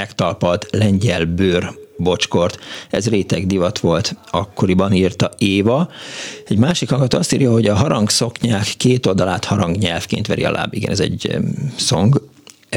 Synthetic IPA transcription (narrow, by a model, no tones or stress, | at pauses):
ɛkt̪ɒlpɒlt̪lɛɲɟɛlbøːrbo̞t͡ʃko̞rt̪ɛzreːt̪ɛɡd̪ivɒt̪ʋo̞lt̪ɒkːo̞ɾibɒniːrt̪ɒeːvɒ | ɛɟmaːʃikhɒŋɡɒt̪oːɒst̪iːɾjɒɦo̞ɟɒɦɒɾɒŋɡso̞kɲaːkːeːt̪o̞ld̪ɒlaːt̪hɒɾɒŋɡɲɛlfkḛːnt̪ʋɛɾḭɒ̰lʔa̰ːbiɡɛ̰nɛ̰zɛ̰ɟsoŋɡ